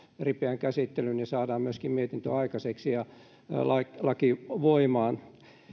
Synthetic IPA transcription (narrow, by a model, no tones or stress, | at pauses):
ripeæŋkæsit̪ːelynnisɑːdɑːmmyøskimmiet̪int̪ø̰ɑikɑseksijɑ | lɑlɑkiʋoimɑːn